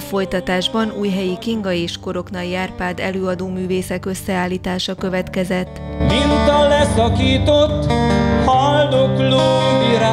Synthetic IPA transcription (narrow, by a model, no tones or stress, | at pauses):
fo̞jt̪ɒt̪aːʒbɒnuːjɦɛjikiŋɡɒeːʃko̞ɾo̞knɒjaːrpaːd̪ɛ̰løːɒd̪oːmyːveːsɛkø̞sːɛaːlːiːt̪aːʃɒkø̞vɛt̪kɛzɛt̪ːmint̪ɒlɛsɒkiːt̪ot̪ːhɒld̪okloːiɾa